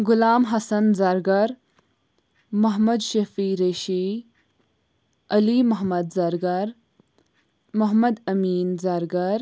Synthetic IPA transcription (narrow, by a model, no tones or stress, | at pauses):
ɡʊlaːmɦɐsɐnzɐɾɡɐɾ | mɐɦmɐd̪ʃɐfiɾeːʃi | ɐlimɐɦmɐd̪zɐɾɡɐɾ | mɐɦmɐd̪ɐmiːnzɐɾɡɐɾ